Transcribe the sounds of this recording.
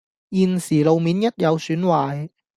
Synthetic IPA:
jiː˨nsiː˨˩lo˨˧wmiː˨˥njɐ˥t̚jɐ˨˧wsyː˨˥nwaː˨˩j

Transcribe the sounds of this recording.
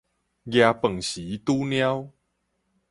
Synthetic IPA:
ɡja˨˧pə˨˩ŋɕi˨˦t̪u˦nj̃ã˦w

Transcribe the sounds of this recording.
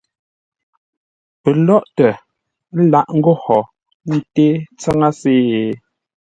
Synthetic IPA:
pɛ˨lɔ˦ʔtɛ˨˦ | la˦˨ʔŋ̩˦ɡɔ˦hɔ˨ | n̩˨te˦t͡sa˦ŋa˦seː˦˨

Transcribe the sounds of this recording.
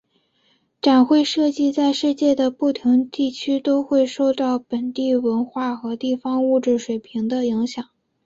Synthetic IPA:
ʈ͡ʂa˨˩nxwe˥˧ɪʂɤ˥˧t͡ɕi˥˧t͡sa˥˧ɪʂɻ̩˥˧t͡ɕjɛ˥˩d̪ə˩pu˥˩t̪ʰi˧˥ŋt̪i˥˩t͡ɕʰy˥t̪o˥ʊxwe˥˧ɪʂo˥˧ʊt̪ɑ˥˩ʊpə˨˩nt̪i˥˩wə˧˥nxwa˥˩xɤ˧˥t̪i˥˩fɑ˥ŋu˥˧ʈ͡ʂɻ̩˥˩ʂwe˨˩ɪpʰi˧˥ŋd̪ə˧i˧˥ŋɕjɑ˨˩˦ŋ

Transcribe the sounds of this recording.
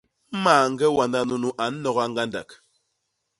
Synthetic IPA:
maː˨ŋ̩˦ɡɛ˦wa˨nda˦nu˨nu˦ʔa˨˦n̩˦nɔ˨ɣa˦ŋɡa˦nda̰˨k

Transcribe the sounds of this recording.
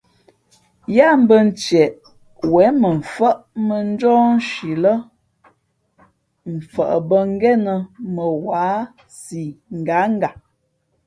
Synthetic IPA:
ja˦m̩˦bə˦n̩˦t͡ʃɛ˨ʔ | wɛ˨˦mə˨ɱ̩˨fə˦ʔmə˨n̩˦d͡ʒɔː˦n˦ʃi˨lə˦ | m̩˨fə˨ʔə˨bə˦ŋ˦ɡɛ˦nə˨mə˨waː˨˦ | si˨ŋ̩˨ɡa˨˦ŋ̩˦ɡa˨

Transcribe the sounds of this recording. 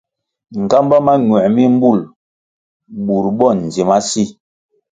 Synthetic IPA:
ŋ̩˨ka˦mba˦ma˦ɲwɛ˨mi˦m̩˦bu˦˨l | bu˨ɾbɔ˦˨n˨zi˨ma˦si˦˨

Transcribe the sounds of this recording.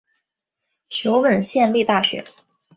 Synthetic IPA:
t͡ɕʰjo˧˥ʊwə˨˩nɕjɛ˥˧nli˥˧t̪a˥˩ɕɥɛ̰˧˥

